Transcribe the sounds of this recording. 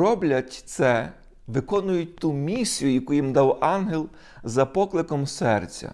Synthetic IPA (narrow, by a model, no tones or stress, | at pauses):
ɔblʲɐtʲt̪sɛ | ʋɪkɔnʊjʊt̚ʲt̪umʲisʲijʊjɐkujimd̪ɑwɑnɦelˠ | zɐpɔklˠɪkɔmsɛrt͡sʲɐ̰